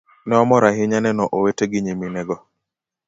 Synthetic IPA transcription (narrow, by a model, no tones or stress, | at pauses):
nɛɔmɔɾaɦɪɲanɛnɔʔoweteɡɪɲiminɛɡɔ